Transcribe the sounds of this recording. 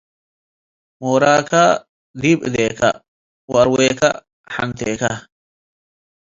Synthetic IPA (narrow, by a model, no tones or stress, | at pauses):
moːɾaːka | d̪iːbɪ̰d̪eːkɐ̰ | wɐɾweːkɐ̰ | ħɐ̰nt̪eːkɐ